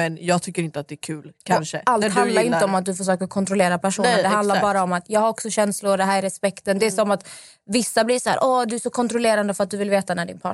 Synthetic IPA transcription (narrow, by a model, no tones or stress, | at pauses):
mɛnjɑːɡ̚t̪ʰʏkːəɾɪnt̪əat̪̚d̪ɛːkʰʉːlkʰanʂəʔalt̪hand̪laɾɪnt̪əɔmat̪̚d̪ɵfœʂ̬øːkəɾkʰɔnt̪ɾɔleːɾapæʂuːnəd̪ɛɦand̪aɾbɑːɾaɔmat̪jɑːɡhaɾɔksɔɕɛnslʊɾɔd̪ɛɦæːɾæɾɛspɛkt̪ənd̪ɛːsɔmat̪ | vɪsːabliːʂæ̰ːɾʔɔd̪ɵæʂɔkʰɔnt̪ɾɔleːɾand̪əfœɾat̪̚d̪ɵvɪlveːt̪anæɖɪ̰npʰɑ̰